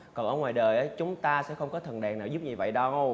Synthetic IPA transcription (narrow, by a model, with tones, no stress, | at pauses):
kɔ˨˩nʔəː˧˩ŋwaː˨˩jɗəː˨˩jʔəː˨˦jt͡ɕʊ˨˦ŋ͡mt̪aː˧sɛ̰˧˥xə˧wŋ͡mkɔ˨˦t̪ʰə˨˩nɗɛ˨˩ŋnaː˨˩wzu˦˥p̚ɲi˨˩və̰˧˨jɗə˨˧˦w